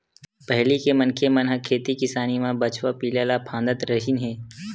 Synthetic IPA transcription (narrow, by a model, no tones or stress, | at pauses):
pɐɦlikemɐnkʰemɐnɦəkʰːeːt̪ikɪsaːnimãbɐt͡ʃwapiːlaːlapʰãːnd̪ət̪ɾɐɦinɦɛ̃ː